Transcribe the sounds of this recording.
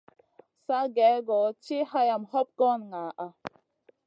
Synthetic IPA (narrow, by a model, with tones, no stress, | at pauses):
sa˦ɡɛ˨˦ɡɔ˨˦t͡ʃi˦ha˦ja˨mhɔ˦p̚kɔ˦nŋa˨ʔa˨